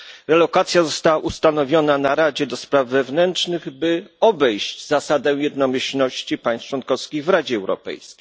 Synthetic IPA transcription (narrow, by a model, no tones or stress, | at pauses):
ɾɛlɔkat̪sʲjazɔst̪awaʔust̪anɔvʲjɔnanaɾad͡ʑɛd̪ɔspɾavːɛvnɛnt͡ʂnɘɣbɘɔbɛjɕd͡ʑzasad̪ɛ̃jɛd̪nɔmʲɘɕlnɔɕt͡ɕipaj̃st͡ʂwɔnkɔfskʲiɣvɾad͡ʑɛːwɾɔ̰pɛ̰jskʲej